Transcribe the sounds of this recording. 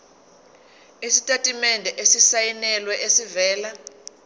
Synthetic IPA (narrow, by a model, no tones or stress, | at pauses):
isitʼatʼimɛndʱɛʔesisajinɛlwɛʔesivɛːla